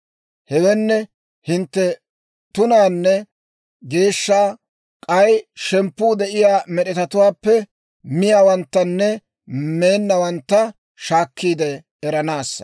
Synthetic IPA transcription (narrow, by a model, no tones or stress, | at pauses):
hɛwɛnːɛ | hɪnt̪ːɛ | t̪ʊnaːnːɛ | ɡe̞ːʃːaː | kʼɐjʃɛmpːuːd̪ɛʔɪjaːmɛɗɛt̪ɐt̪ʊwaːpːɛ | mɪjaːwɐnt̪ːɐnːɛ | me̞ːnːɐwɐnt̪ːɐ | ʃaːkːiːd̪ɛː | ɾɐnaːsːɐ̥